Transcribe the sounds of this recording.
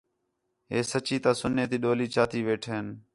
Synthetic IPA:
ɦeːsət͡ʃiːt̪aːsʊnːeːt̪iːɗoːliːt͡ʃaːt̪iːʋeːʈʰeːn

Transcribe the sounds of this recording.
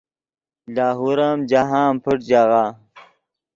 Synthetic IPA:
laːɦuɾaːmd͡ʑaɦaːmpʰəʈ̚d͡ʑaɣaː

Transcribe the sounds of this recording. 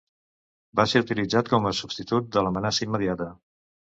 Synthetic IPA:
baseut̪ilid͡zat̪̚kɔməsubst̪it̪ut̪̚d̪ələmənasəimːəðiat̪ə

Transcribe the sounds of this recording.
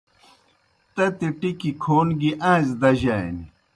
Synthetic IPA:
t̪ɐt̪iʈikikʰoːnɡiʔãːzd̪ɐʑaj̰ni

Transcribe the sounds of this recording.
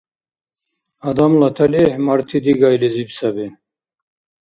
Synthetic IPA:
ɐd̪ɐmlɐt̪ʰɐlehmɐɾt̪ʰid̪iɡɑjlizibsɐbi

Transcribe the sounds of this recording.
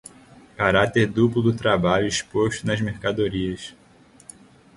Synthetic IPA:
kaɾat̪eɾd̪uplʊd̪ʊt̪ɾabaʎʊiʃpoʃt̪ʊnɐzmeɾkad̪oɾiɐs

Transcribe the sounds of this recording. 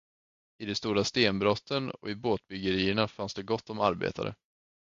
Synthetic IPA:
ɪd̪ɛst̪uːɾast̪eːnbɾɔt̪ʰːənɔ̰ɪboːt̪̚bʏɡəɾiːəɳafansd̪ɛɡɔt̪ːɔmaɾbḛːt̪ʰa̰ɾə̰

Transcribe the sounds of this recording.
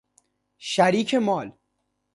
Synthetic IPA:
ʃæɾiːcʰemɒːl

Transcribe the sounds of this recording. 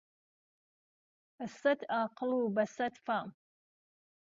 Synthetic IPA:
ɐsɐt̪ʰaːqɨlubɐsɐt̪fam

